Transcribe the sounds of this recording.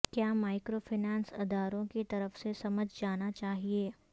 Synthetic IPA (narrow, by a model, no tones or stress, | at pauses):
kjaːmaːɪkɾoːfʰɪnɛ̃ːnsɐ̰d̪aːɾõkit̪ɐɾəfsesɐməd͡ʒʱd͡ʒaːnat͡ʃaːɦieː